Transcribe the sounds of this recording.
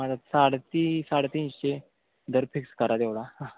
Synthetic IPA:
ad͡zat̪saɽt̪isaɽt̪iɕe | d̪ʱəɾpʰikskəɾad̪eʋɽa

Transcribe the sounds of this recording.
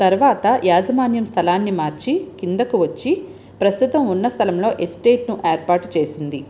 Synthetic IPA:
t̪ɐɾuʋaːt̪ɐjaːd͡ʒɐmaːnjɐmst̪ʰɐlaːnːimaːɾt͡ʃikind̪ɐkuʋɐt͡ʃːi | pɾɐst̪ut̪ɐmunːɐst̪ʰɐlɐmlo̞ːʔesʈeːʈnuʔeːɾpaːɾʈt͡ʃe̞ːsind̪i

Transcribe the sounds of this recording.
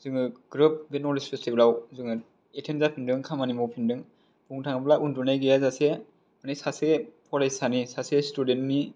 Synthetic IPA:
zɯŋɯɡɾɯp̚benɔlispestiblawzɯŋɯ | etʰenzapʰindɯŋkʰamanimɔpʰindɯŋ | b̥uŋtʰaŋablaundunajɡijazase | manijsasepʰɔɾajsanisasestudentni

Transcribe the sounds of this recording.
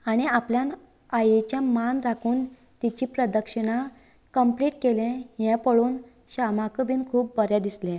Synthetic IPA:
aɽ̃iapljãn | ajet͡ɕjamanɾakʰuːn | t̪it͡ɕiːpɾəd̪əkʂəɽ̃a | kəmpliːʈkelɛ̃jɛ̃pəɭuːn | ɕamakəbʱiːnkʰuːpbəɾjad̪islɛ̃

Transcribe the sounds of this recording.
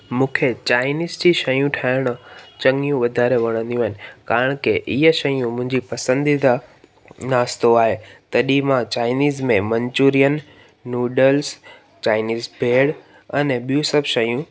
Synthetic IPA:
mũːkʰet͡ɕaːɪniːzd͡ʑiʃɐjũʈʰaːɪɽ̃ʊt͡ɕɐ̃ŋijũʋɐd̪ʱaːɾeʋɐɽ̃ə̃nd̪iũaɦɪnɪ̆kaːɾɪɽ̃keʔɪɦəʃɐjũmʊ̃ɦɪ̃ɲd͡ʑipɐsə̃nd̪id̪a | naːst̪oaːɦet̪ɐɗimãt͡ɕaːɪniːzmẽmɐ̃ɲt͡ɕuːɾijənː | uːɖəls | t͡ɕaːɪniːzbʱeːɽ | ɐnɛɓijũsɐbʱʃɐjũ

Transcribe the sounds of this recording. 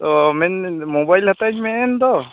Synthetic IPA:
t̪ɔmɛnmobajlhat̪aɲmɛnd̪ɔ

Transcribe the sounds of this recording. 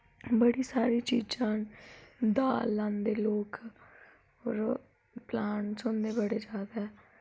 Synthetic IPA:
bəɽiːsaːɾiːt͡ʃiːd͡ʒãː | d̪aːlːãːnd̪eːloːk | ɔːɾ | plaːnsʊnd̪eːbəɽeːd͡ʒaːd̪ɛː

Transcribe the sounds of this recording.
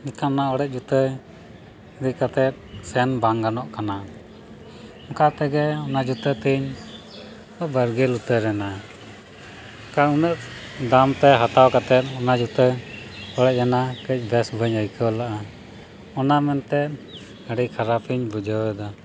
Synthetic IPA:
mit̪anaɔɽɛʔ̚d͡ʒut̪ə | d̪ikat̪ɛt̪̚sɛnbaŋɡanɔʔkana | ɔkat̪ɛɡɛɔnad͡ʒut̪ət̪iɲ | bəɾɡɛlut̪əɾɛna | kaɾunəʔ̚d̪amt̪ɛɦat̪awkat̪ɛt̪̚ɔnad͡ʒut̪əɔɽɛʔ̚janakəc̚ˀbɛsbʱəɲəjkəwlaʔa | ɔnamɛnt̪ɛt̪̚ | əɽikʰaɾapʰiɲbud͡ʒəwɛd̪ɔ

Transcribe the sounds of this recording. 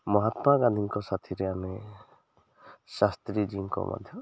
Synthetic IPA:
mɔɦat̪maɡãnd̪ʱiŋkɔsat̪ʰiɾeame | ʃast̪ɾid͡ʒiŋkɔ̰ma̰d̪ʱjɔ

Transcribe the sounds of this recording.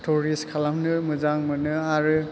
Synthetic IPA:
tʰɔɹiskʰalamnɯmɯzaŋmɯnɯaɾɯ

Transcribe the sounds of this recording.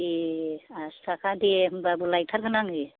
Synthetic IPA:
iast̪ʰakʰad̪ibabulajt̪ʰaɾkʰanaŋi

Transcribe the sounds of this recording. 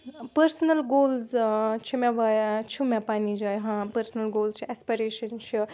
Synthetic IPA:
pəɾsnɐlɡoːlzt͡ʃʰimɛ̃ʋɐjt͡ʃʰumɛ̃panid͡ʒɐjɦãpɐɾsnɐlɡoːlst͡ʃʰiɛspiɾeːʃɐnt͡ʃʰi

